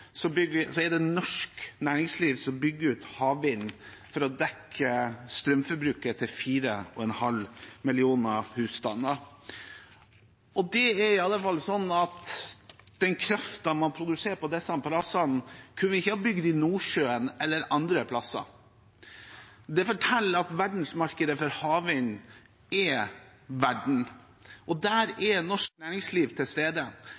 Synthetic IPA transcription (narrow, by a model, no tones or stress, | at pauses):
sɔbʏɡəsɔɛɾd̪ɛnɔʂknæːɾɪŋsliːʋsɔmbʏɡːəɾʉːt̪hɑːʋɪnː | fɔɾɔd̪ɛkʰːəst̪ɾœmfɔɾbɾʉːkət̪ʰɪlfiːɾəɔɛnhɑlmɪlɪuːnɑhʉːst̪ɑnːə | ɔd̪ɛɛɾɪɑlːəfɑlːsɔnːɑt̪ | d̪̥ɛnkʰɾɑft̪ɑmɑnpʰɾʊd̪ʉseːɾpɔd̪ɛsːɑmpʰɑlɑsɑnkʰʉnːʋəɪçːəhɑːbʏɡd̪ɪnuːʂøːənɛlːəɾɑnd̪ɾəpʰlɑsɑ̰ | d̪ɛfɔʈʰɛlːɑt̪ʋæɖɳ̩smɑɾkəd̪əfɔɾhɑːʋɪn | ɛ | ʋæɖɳ̩ | ʔɔd̪æːɾɛnɔʂknæːɾɪŋsliːʋt̪ʰɪlst̪eːd̪ə